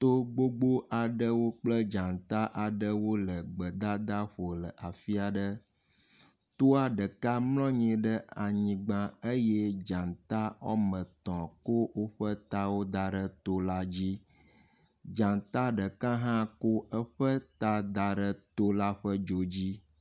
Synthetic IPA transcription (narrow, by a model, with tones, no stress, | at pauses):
t̪o˦ɡ͡bo˦ɡ͡bo˦ʔa˨ɖə˦wo˦k͡plə˦d͡ʒã˨nt̪a˦ʔa˨ɖə˦wo˦lə˨ɡ͡bə˨d̪a˦d̪a˦ɸo˨lə˨ʔa˨fi˦a˨ɖə˦ | t̪o˦a˨ɖə˨ka˦mlɔ̃˦ɲĩ˨ɖə˦a˨ɲĩ˨ɡ͡bã˦ə˦je˦d͡ʒã˨nt̪a˦wɔ̰˦mə̃˨t̪ɔ̃˨ko˦wo˦ɸə˦t̪a˦wo˦d̪a˨ɖə˦t̪o˦la˦d͡ʑi˦ | d͡ʒã˨nt̪a˦ɖə˨kã˦ɦã˦ko˦ə˦ɸə˦t̪a˦d̪a˨ɖə˦t̪o˦la˦ɸə˦d͡ʒo˨d͡ʑi˦